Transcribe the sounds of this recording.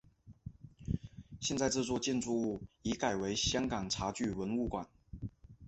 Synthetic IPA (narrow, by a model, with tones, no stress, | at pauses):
ɕjɛ˥˧nt͡sa˥˧ɪʈ͡ʂ̩˥˧t͡swɔ˥˧t͡ɕjɛ˥˧nt͡su˥˧u˥˩i˧˥ka˨˩ɪwe˧˥ɪɕjɑ˥ŋkɑ˨˩ŋʈ͡ʂʰa˧˥t͡ɕy˥˩wə˧˥nu˥˩kwa̰˨˩˦n